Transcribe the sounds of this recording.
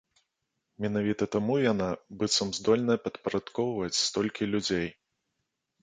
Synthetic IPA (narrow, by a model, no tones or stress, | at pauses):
mʲɛnavʲit̪ɐt̪amujanabɨt̪sɐmzd̪ɔlʲnɐpɐt̪pɐɾat̪kɔwvɐt͡sʲst̪ɔlʲkʲilʲud͡zʲej